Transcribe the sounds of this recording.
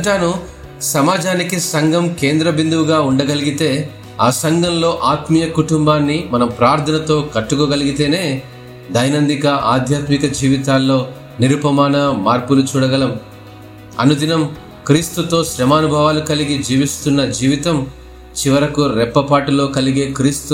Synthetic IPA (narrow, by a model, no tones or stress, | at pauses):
ʈaːnu | sɐmaːd͡ʒaːnikisɐŋɡɐmke̞ːnd̪ɾɐbind̪uʋuɡaːuɳɖɐɡɐliɡit̪e̞ː | aːsɐŋɡɐmlo̞ːʔaːt̪mijɐkuʈumbaːnːimɐnɐmpɾaːɾt̪ʰɐnɐt̪o̞ːkɐʈːukoːɡɐliɡit̪e̞ːne̞ː | d̪ɐjnɐnd̪ikɐʔaːd̪ʱjaːt̪mikɐd͡ʒiːʋit̪aːlːo̞ː | niɾupɐmaːnɐmaːɾpulut͡ʃuːɽɐɡɐlɐm | ɐ̰nud̪inɐm | kɾiːst̪ut̪o̞ːʃɾɛmaːnubʱɐʋaːlukɐliɡid͡ʒiːʋist̪unːɐd͡ʒiːʋit̪ɐm | t͡ʃiʋɐɾɐkuɾɛpːɐpaːʈulo̞ːkɐliɡe̞ːkɾiːst̪u